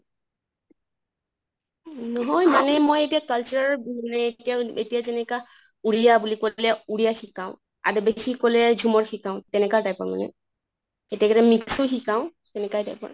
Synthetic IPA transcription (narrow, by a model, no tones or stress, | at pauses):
nɔɦɔjmanɛmojetijakalt͡ʃuɹaɹanɛtijaetijatɛnɛka | uɹijabulikolɛuɹijaxikãʊ̃ | a̰dɛbesikolɛd͡ʒʱumɔɹxikaʊ̃tɛnɛkadajpɔ̰ɹma̰nɛ̰ | etijakeɾɛmiksʊxikãʊ̃ | tɛnɛkajdajpɔ̰ɹ